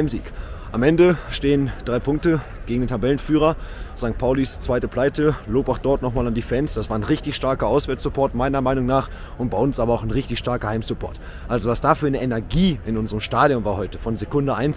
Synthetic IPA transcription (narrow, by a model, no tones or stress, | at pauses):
ɪmzḭːkʔamʔɛndəʃteːənd̥ʁaɪpʰʊŋk̚tə | ɡ̥eːɡŋdeːntʰabɛlənfyːʁ̞ɐz̥aŋkt̚pʰaʊlist͡sv̥aɪtəpl̥aɪtəloːpaʊxd̥ɔɐtnɔχmaːlandiːfɛnsd̥asv̥aːɐnʁɪçtɪçʃtaɐkɐʔaʊsv̥ɛːɐt͡sz̥ʊpʰɔɐtmaɪnɐmaɪnʊŋnaːχ | ʊnt̚b̥aɪʊnsʔaːbɐaʊxnʁɪçtɪçʃtaɐkɐhaɪmsʊpʰɔ̰ɐt | ʔalzovasd̥aːfyːɐnəʔenɛɐɡiːɪnʔʊnzəʁəmʃtaːdjʊnvaːɐhɔʏtə̥fɔnzekʊndəʔaɪns